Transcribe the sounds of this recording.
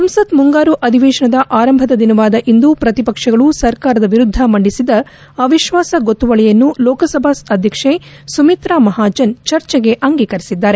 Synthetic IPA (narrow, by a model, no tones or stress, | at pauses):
sɐmsɐt̪muŋɡaːɾuʔɐd̪ʱiʋeːʃɐɳɐd̪ɐʔaːɾɐmbʱɐd̪ɐd̪inɐʋaːd̪ɐʔind̪upɾɐt̪ipɐkʂɐɡɐɭusɐɾkaːɾɐd̪ɐʋiɾud̪ʱːɐmɐɳɖisid̪ɐ | ɐʋiʃʋaːsɐɡot̪ːuʋɐɭɛjɐnːulɔːkɐsɐbʱasɐd̪ʱjɐkʂe | sumit̪ɾaːmɐɦaːd͡ʒɐnt͡ʃɐɾt͡ʃɐɡe̞ʔɐŋɡiːkɐɾisid̪ːaːɾe